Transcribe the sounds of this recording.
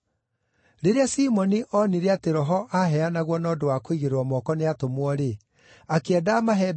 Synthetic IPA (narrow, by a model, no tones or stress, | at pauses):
ɾeɾeasiːmɔniʔɔniɾeateɾɔɦɔʔaɦɛanaɣwɔnɔːdowakoiɣeɾwɔmɔkɔneatomwɔɾe | akeɛdaːmaɦɛ